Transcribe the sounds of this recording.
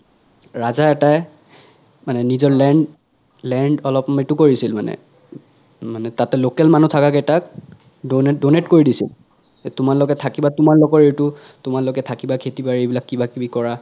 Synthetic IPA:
ɹazaɛtaj | manɛnizɔɹlɛɳ | lɛɳɖɔlɔpmetʊkoɹisilmanɛ̰ | manɛtatɛlokɛlmanutʰakakɛtak̚ | donɛdonetkoɹidisḭl | tʊmaɹlɔɡɛtʰakibatʊmaɹlɔɡɔɹejtʊ | tʊmaɹlɔɡɛtʰakibakʰetibaɹejbilakːibakibikɔɹa

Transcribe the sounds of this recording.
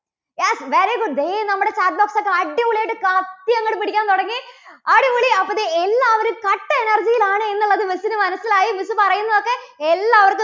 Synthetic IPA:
jesʋeːɾejɡud̪enɐmːuɽe̞t͡ɕaːʈ̚boːksokːeɐɖiʋuɭejʈːɨkat̪jɐŋːɐɽumpiɽikʲːaːnt̪oɽɐŋːiɐɽiʋuɭiɐpːɐðeelːaːʋɐɾumkɐʈːɨenɐrd͡ʑijilaːɳɨe̞nːuɭːɐðɨmisinɨmɐnɐsːilaːjimisɨpɐrɐjunːɐðo̞kːeelːaːɐʋɐrkːɨ

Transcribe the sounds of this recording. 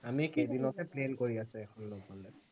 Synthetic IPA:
amikedinɔtɛplenkoɹiasʊɛkʰɔnlobɔlɛ

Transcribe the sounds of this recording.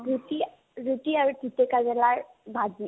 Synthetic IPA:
buti | ɹutiaɹutitɛkazɛlaɹ | bazi

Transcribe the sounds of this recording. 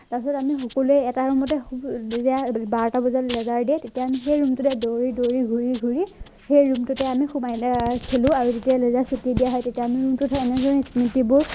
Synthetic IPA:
taɹsɔtamixɔkɔluɛɛtaɹumɔtɛxubzɛabaɹɔtabɔzallɛzaɹdiɛtetiaːmixejɹumtʊtɛdoɹidoɹiɡʱuɹiɡʱuɹi | xejɹumtʊtɛamixumajkʰelʊ̃aɹuzetijalɛzasutidijaɦɔjtetiaːmiɹumtʊtʰɛɛnɛzɔnisnitibʊɹ

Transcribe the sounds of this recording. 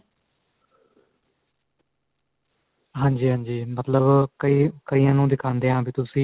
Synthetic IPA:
ɦãːɲd͡ʒiːɦãːɲd͡ʒiːmət̪ləbkəiːkəiːãːnũːd̪ɪkʰãːnd̪eːãːbiːt̪ʊsĩː

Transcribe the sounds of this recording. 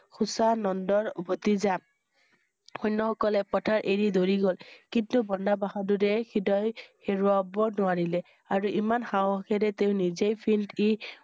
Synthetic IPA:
xusanɔndɔɹbʱotiza | xɔjnːɔxɔkɔlɛpɔtʰaɹʔeɹidoɹiɡolkintubɔndabaɦadudɛxʰidɔjxeɹʊabɔnʊaɹilɛ | aɹuʔimanxawɔkʰɛɾɛteʊ̃nizejpʰilti

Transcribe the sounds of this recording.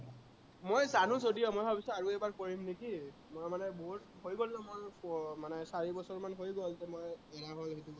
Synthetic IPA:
mojzanʊ̃zodijɔmojbʱabisɔaɹuɛbaɹkoɹimneki | mojmanɛboɦut | hojɡollãmojɔmanɛsaɹibɔsɔɹmanɦojɡɔlzɛmojɛɹaɦolɦetuɡ

